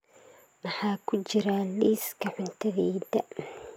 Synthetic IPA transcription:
mɑħɑːkʰʊt͡ʃɪɾaliːskʰɐħʊnt̪ʰɐðɛjðɐ

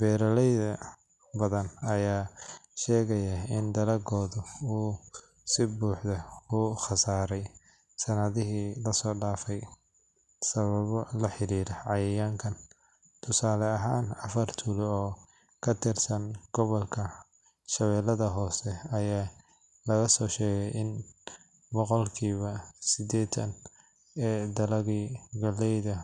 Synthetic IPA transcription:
bɛːɾɐlɛjðɐ | bɐðɐnɐjaːʃɛːɣɐjɐɪnd̪ɐlɐɡɔːðʊuː | sɪbuːħdɐuːχɑsaːɾɛj | sɐnɐðɪɦiːlɐsɔːɖaːfɛj | sɐβɐβɔlɐħɪɾiːɾɐʕɑjɐjaːŋkʰɐn | t̪ʰʊsaːlɛɐɦaːnɐfɐrt̪ʰulɔː | kʰɐt̪ʰɪrsɐnɡ̥ɔβɔlkʰɐ | ʃɐβɛːlɐðɐɦɔːsɛɐjaː | lɐɣɐsɔːʃɛːɣɛjʔɪn | bɔqɔlkʰiːβɐsɪd̪ɛːt̪ʰɐ̰n | ɛːd̪ɐlɐɣiɡɐlɛjðɐ

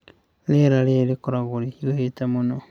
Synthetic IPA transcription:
leɾalelikuɾaɣulileitamuno

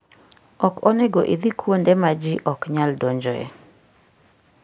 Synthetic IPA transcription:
ɔkɔnɛɡɔʔid̪ikʰwondɛmad͡ʒiʔɔkɲaldoɲd͡ʒɔɛ̰

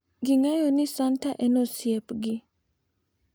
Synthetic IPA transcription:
ɡiŋajɔnɪsantaʔɛnɔsjɛpɡɪ

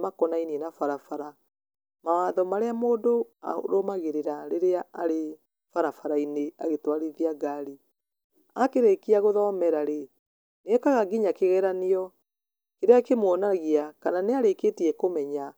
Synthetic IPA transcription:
makɔnainiɛnafaɾafaɾa | mawaðɔmaɾeamoːdoa̰ɾomaɣeɾeɾaɾeɾeaaɾe | faɾafaɾaineaɣetwaɾiðiaɡaɾi | akeɾekiaɣoðɔːmɛɾaɾe | neɛkaɣaɡiɲakeɣɛɾaneɔ | keɾeakemwɔnaɣiakananeaɾeketiɛkomɛɲa

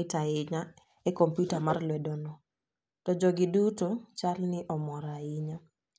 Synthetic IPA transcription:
ɪtaɪɲa | ɛkɔmpjutamarlwɛdɔnɔ | tɔd͡ʒɔɡɪdutot͡ʃalnɪʔɔmɔɾaɪɲa

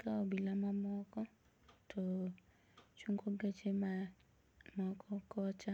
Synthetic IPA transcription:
kaɔbilamamɔkɔ | tʰɔ | t͡ʃuŋɡoɡet͡ʃema | mɔkʰɔkɔt͡ʃa

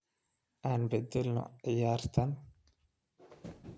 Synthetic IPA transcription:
ʔaːnbɛd̪ɛlnɔ̰ʕɪjaːrt̪ʰɐn

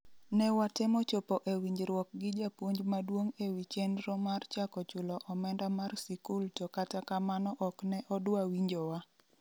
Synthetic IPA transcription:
nɛwatɪmɔt͡ʃopɔʔewiɲd͡ʒɾwɔk̚ɡɪd͡ʒapwoɲd͡ʒmadwoŋewit͡ʃenɾɔmart͡ʃakɔt͡ʃʊlɔʔɔmɛndamarsikultɔkatakamanɔʔɔknɛʔɔdwawiɲd͡ʒɔwa

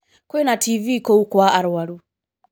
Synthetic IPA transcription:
kɔɛnatʰivikɔukwaaɾwaɾu

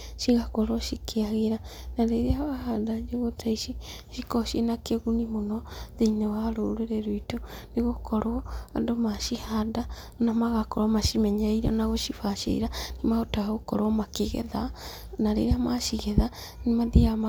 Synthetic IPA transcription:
ʃiɣakɔɾɔʃikʰeaɣeɾanaɾeɾeaβahadad͡ʒeɣotʰaiʃiʃikɔʃenakeɣunimonɔðeinewaɾoɾeɾeɾoitoneɣokʰɔɾwɔandomaʃihada | onamaɣakɔɾwɔmaʃimɛɲaiɾa̰naɣoʃifaʃḛḭɾanimaotaɣaɣokɔɾwɔmakeɣɛ̰ða | naɾḛɾeamaʃiɣɛða | nimaðiama

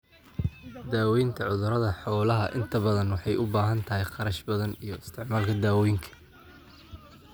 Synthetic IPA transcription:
d̪aːwɛjnt̪ʰɐʕʊðʊɾɐðɐħɔːlɐɦɐʔɪnt̪ʰɐbɐðɐnwɑħɑjʔʊbaːɦɐnt̪ʰɐɦɪjqɑɾɐʃbɐðɐnijɞɪst̪ʰɪʕmaːlkʰɐd̪aːwɛjŋkʰɐ̥

